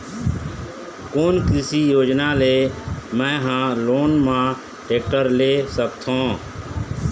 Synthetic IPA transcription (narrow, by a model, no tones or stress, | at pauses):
koːnkɪsiːjoːd͡ʒnaːleːmɛ̃ːɦãːloːnmãː | ʈeːk̚ʈəɾleːsəkt̪ʰõː